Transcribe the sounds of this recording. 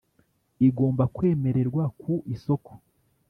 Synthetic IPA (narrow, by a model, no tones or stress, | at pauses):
iɡo̞ːmbakwe̞ːme̞ɾe̞ɾɡwakʰuʔiso̞ko̥